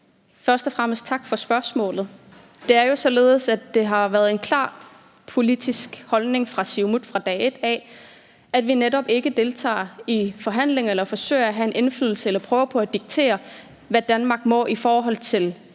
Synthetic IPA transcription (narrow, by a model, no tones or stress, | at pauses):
fɶɐsd̥ɒfʁam̰əsd̥̚t͡sʰɑ̈ɡ̥fɒ̽sb̥ɶɐsmɔ̰̽ːlð̞̩ˠ | d̥e̝æɐjo̝sɒ̽le̝ːð̞ˠəsæd̥e̝ɦɑ̈ʋæɐð̞̩ˠe̝nkʰlɑ̰̈ː | pʰo̝lid̥isɡ̥hɒ̽lne̝ŋfʁɑ̈siʊmud̥fʁɑ̈d̥ɛ̰ːe̝d̥ɛ | æd̥ʋineɾɒ̽b̥e̝ɡ̥əd̥e̝lt͡sʰɑ̰̈ːifɒ̽ɦæn̰le̝ŋelɐfɒ̽sø̰ɪ̰æɦæe̝nʔe̝nflyðːˠl̩səelɐpʰʁœːʊpʰɒ̽æd̥iɡ̥̚t͡sʰe̝̰ːɐ | ʋæd̥ænmɑ̈ɡ̥̚mɒ̰ʔifɒːɦɒ̽l̰t͡sʰe̝l